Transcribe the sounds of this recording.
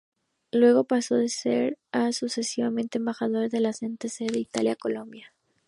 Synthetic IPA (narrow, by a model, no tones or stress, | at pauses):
lwe̞ɣo̞paso̞ðe̞se̞̰ɾasuse̞siβamẽ̞nt̪e̞ːmbaxað̞o̞ɾeðe̞lase̞nt̪eseðeit̪aljako̞lo̞mbja